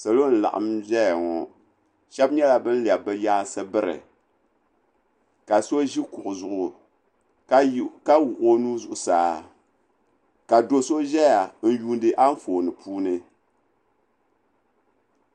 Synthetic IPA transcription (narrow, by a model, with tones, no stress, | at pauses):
sa˨lo˦n̩˨la̰˨ʔa̰˨mbɛ˦ja˨ŋɔ˨ | ʃɛ˦bɲɛ˦la˨bɨ˦n˦lɛ˨bɨ˦jaː˦sɨ˦bɨ˦ɾɨ̰˨ | ka˨so˦ʒi˦kʊ˨ʔʊ˨zʊ˨ʔʊ˨˦ | ka˦wu˨ʔo˦nuː˦zʊ˨ʔʊ˨saː˨˦ | ka˨do˦so˦ʒɛ˦ja˨n̩˦juː˦ndɨ˦ʔa˦ɱ˦foː˨nɨ˨pʰuː˦nɨ˦